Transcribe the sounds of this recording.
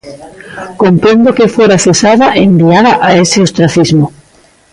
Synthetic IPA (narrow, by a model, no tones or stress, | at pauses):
kompɾẽnd̪okefoɾaθesaðaʔembiaðaʔaeseost̪ɾaθizmo